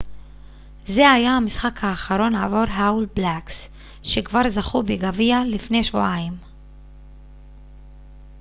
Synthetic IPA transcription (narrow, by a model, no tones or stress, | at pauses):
ze̞ajahamisχakhaːχaɾo̞naːvo̞ɾɦaulblaks | ʃe̞kvaʁzaχubeɡavialifne̞jʃvuaim